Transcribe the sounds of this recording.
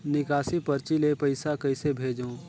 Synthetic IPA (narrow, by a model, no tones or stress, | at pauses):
nɪkaːsipɐɾt͡ʃilepɐɪsakɐɪsebʱeːd͡ʒõː